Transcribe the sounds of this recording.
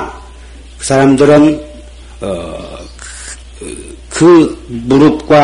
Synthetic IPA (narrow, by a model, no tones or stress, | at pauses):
saɾamd̪ʌɾʌn | kʰɯbuɾup̚kwa